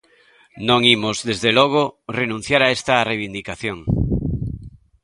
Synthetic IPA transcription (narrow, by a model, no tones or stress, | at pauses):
nõŋimozðezðelɔɣ̞orenũn̟θjaɾaest̪areβind̪ikaθjõŋ